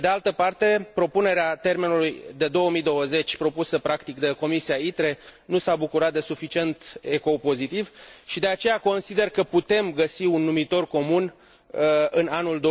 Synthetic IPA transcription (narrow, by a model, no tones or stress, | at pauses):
ed̪e̞alt̪əpart̪e̞pɾo̞pune̞ɾeat̪e̞rmenulujd̪e̞d̪o̞wəmid̪o̞wəze̞t͡ʃʲpɾo̞pusəpɾakt̪ikd̪eko̞misiait̪ɾe̞nusabukuɾat̪̚d̪e̞sufit͡ʃie̞nt̪e̞ko̞po̞zit̪ivʃid̪e̞at͡ʃe̞jako̞nsid̪e̞rkəput̪e̞mɡəsiunːumit̪o̞rko̞mun | ɨnanuld̪o